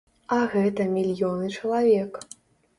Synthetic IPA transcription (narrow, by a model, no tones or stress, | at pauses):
ɐɣɛt̪ɐmʲilʲjɔnɨt͡ʂɐlˠavʲɛk